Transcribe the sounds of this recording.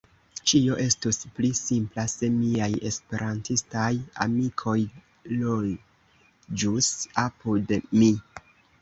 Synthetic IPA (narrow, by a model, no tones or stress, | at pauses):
t͡ʃio̞ʔe̞stusplisimplase̞miaje̞spe̞ɾantistaja̰mikʰo̞j | lo | d͡ʒusapudmi